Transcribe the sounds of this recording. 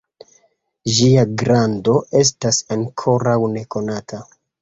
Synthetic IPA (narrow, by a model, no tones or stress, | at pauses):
ʒiaɡɾando̞ʔe̞s̬tasaŋkʰo̞ɾawne̞ko̞natʰa